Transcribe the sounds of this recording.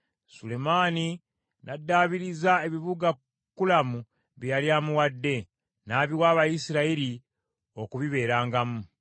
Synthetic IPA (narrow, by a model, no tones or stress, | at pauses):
sule̞maːni | nʔadːaːβiɾizae̞βiβuɡa | kːulamu | βijaljaːmuwadːe̞ | naːβiwaːβajisiɾaiɾi | o̞kuβiβe̞ːɾaːŋɡamu